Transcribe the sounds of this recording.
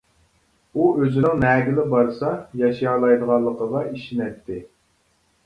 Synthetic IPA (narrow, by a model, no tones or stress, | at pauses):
uøzɪnɪŋnɛːɡʲɪlɪbɑɾsɑjɑʃjɑːlˠɑjd̪əʁɑlˠːəqʰəʁɑiʃinɛt̪ʰːɪ